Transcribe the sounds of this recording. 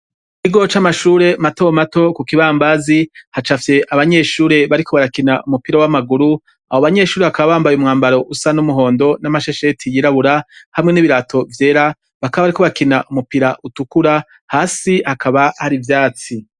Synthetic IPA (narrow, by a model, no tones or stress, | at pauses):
kiɡo̞t͡ʃamaʃuːɾe̞matomato̞kukiβaːmbazihat͡ʃafje̞ʔaβaɲe̞ːʃuːɾe̞βaɾikʰo̞βaɾakinaumupiɾawamaɡuɾu | ahoβaɲe̞ːʃuːɾeβakaβaβaːmbajumŋaːmbaɾo̞ʔusanumuɦo̞ːndo̞namaʃeʃe̞tʰijiɾaβuɾahamŋe̞niβiɾatʰo̞vje̞ːɾa | βakaβaβaɾiko̞βakinaʔumupiɾaʔutukuɾa | haːsihakʰaβahaɾivjaːt͡si